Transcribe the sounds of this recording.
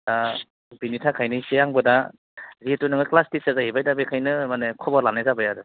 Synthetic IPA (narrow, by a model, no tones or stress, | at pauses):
da | binitʰakʰajnɯsejaŋbɯda | zitunɯŋɯklastisazaɦibajdabekʰajnɯmanekʰɔbɔɾlanajzabɯjadɯ